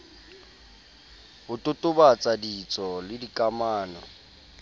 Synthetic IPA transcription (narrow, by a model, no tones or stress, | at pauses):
hʊtʼʊtʼʊbat͡sʼadit͡sʼɔlɪdikʼamaːnɔ